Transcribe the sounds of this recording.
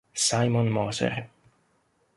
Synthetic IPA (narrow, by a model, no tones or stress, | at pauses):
sajmɔnmɔsɛ̰ɾ